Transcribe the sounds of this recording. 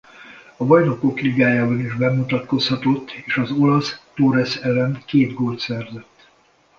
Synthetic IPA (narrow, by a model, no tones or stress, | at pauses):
ɒbɒjno̞ko̞kriɡaːjaːbɒniʒbɛmut̪ɒt̪ko̞shɒt̪o̞t̪ːeːʃɒzo̞lɒst̪oɾɛsɛlɛnkeːd̪ɡoːlt̪sɛrzɛt̪ː